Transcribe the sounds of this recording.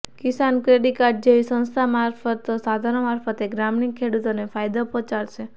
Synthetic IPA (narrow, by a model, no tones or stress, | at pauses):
kisankɾeɽikaʈ̚d͡ʒeʋisə̃ñst̪ʰamaɾfət̪ːosad̪ʱaɾnmaɾfət̪eɡɾamnikʰːeɽut̪onefajd̪opɔ̃t͡ʃaɽʃe